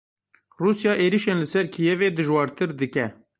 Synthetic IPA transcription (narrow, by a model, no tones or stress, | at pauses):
ruːsjɑːʔeːɾiʃeːnlɨsɛɾkʰijɛveːd̪ɨʒwɑːɾt̪ʰɨɾd̪ɨkɛ